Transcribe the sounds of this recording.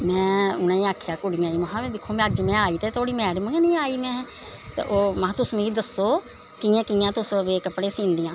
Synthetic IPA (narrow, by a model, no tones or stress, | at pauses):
mɛ̃ːʊnãːĩːaːkʰjaːkʊɽɪjãːiːməɦãːmɛ̃ːd̪ɪkʰːoːmɛ̃əd͡ʒmɛ̃ːaːiːt̪eːt̪ʰoːɽiːmɛːɽməɡnĩːaːiːmɛ̃ː | t̪ḛʔoːmãːt̪ʊsmũːiːd̪əsːoː | kɪjãːkɪjãːt̪ʊsəʋeːkəpɽeːsĩːnd̪ijãː